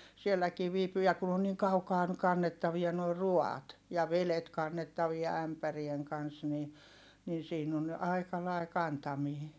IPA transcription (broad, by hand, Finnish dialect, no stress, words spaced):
sielːækiː ʋiːpyː jɑ kun on niːŋ kɑukɑː kɑnːetːɑʋiɑ noi ruɑːt jɑ ʋelet kɑnːetːɑʋiɑ æmpærieŋ kɑns ni nin siːn on ɑi̯kɑ lɑi̯ kɑntɑmiː